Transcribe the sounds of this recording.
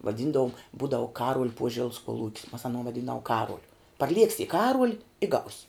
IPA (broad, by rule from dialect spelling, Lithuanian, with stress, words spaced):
ʋɐˈdʲiːndɐʋoːm ˈbuːdɐʋʊ ˈkɑːruɔlʲ ˈpuɔʒʲɛlˠs kuɔˈlˠuːkʲs mɐs ɐˈnuɔ ʋɐˈdʲiːndɐʋuɔ ˈkɑːruɔlʲʊ pɐrʲˈlʲiɛksʲɪ ɪ ˈkɑːruɔlʲ ɪ ɡɐʊsʲ